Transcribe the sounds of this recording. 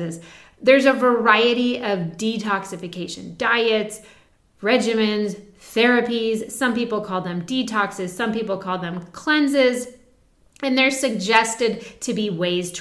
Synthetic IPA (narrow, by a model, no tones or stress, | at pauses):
ɪz | ðə˞zɨvə˞aɪɨɾiʌvditʰɑksɨfɨkʰeɪʃɨ̰̃ndaɪɨts | ɹɛd͡ʒɨmɨ̃nzθɛɹɨpiz̥sʌ̃mpipl̩ˠkʰɔlˠðɨ̃mditʰɑksɨz̥sʌ̃mpipl̩ˠkʰɔlˠðɨ̃mkʰl̥ɛ̃nzɪz | ɨ̃nðə˞sɨɡ̚d͡ʒɛstɨd̚tʰɨbiweɪz̥tʰ